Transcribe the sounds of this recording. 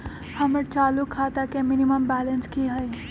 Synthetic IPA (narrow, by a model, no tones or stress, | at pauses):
həməɾt͡ʃaːlukʰat̪akemɪniməmbɛːlənskiɦəj